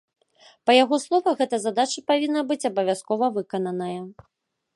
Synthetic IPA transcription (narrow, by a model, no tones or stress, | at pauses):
pɐjaɣɔslˠɔvɐɣɛt̪ɐzad̪at͡ʃɐpavʲinːɐbɨt͡sʲɐbɐvʲaskɔvɐvɨkɐnɐnɐjɐ